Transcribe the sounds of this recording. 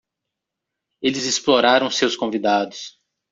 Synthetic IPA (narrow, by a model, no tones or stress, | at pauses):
elɪzɪsploɾaɾɐ̃w̃sewskõvid̪ad̪ʊs